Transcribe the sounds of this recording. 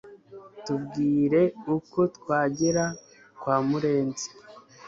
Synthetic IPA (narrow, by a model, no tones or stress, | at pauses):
tub̚ɡiːɾe̞uko̞tkwaːɟeɾa | kwaːmuɾe̞ːnzi̥